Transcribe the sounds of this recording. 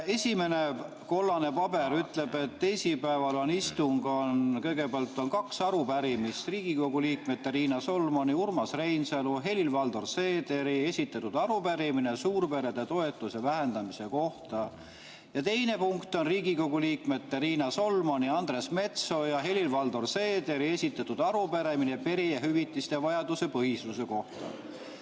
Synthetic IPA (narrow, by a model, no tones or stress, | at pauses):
e̞sʲime̞ne̞ | ko̞lːɑne̞pɑbe̞ɾyt̪le̞be̞t̪ːe̞jsipæevɑlo̞nist̪uŋɡ̥o̞nkɤjɡ̥e̞peɑlt̪ːˑo̞nkɑksɑɾupæɾimist̪riːɡ̥iko̞ɡ̥uliːkme̞d̪ːeɾiːnɑso̞lmo̞niurmɑsre̞jnseluɦe̞lʲilvɑld̪orse̞ːd̪e̞ɾie̞sʲit̪ːˑɑt̪ud̪ɑɾupæɾiminesuːɾpe̞ɾe̞d̪et̪o̞e̞t̪ːˑuse̞væɦe̞nd̪ɑmise̞ko̞ht̪ɑ | jɑt̪e̞jne̞puŋkt̪o̞nriːɡiko̞ɡ̥uliːkme̞t̪ːeɾiːnɑso̞lmo̞niɑnd̪ɾe̞sme̞t̪so̞jɑɦe̞lilvɑld̪o̞rse̞ːd̪e̞ɾie̞sʲit̪ːˑɑt̪ːud̪̥ɑɾupæɾe̞mine̞pe̞ɾieɦyvit̪ːˑist̪e̞vɑjɑd̪use̞pɤhist̪use̞ko̞ht̪ɑ̰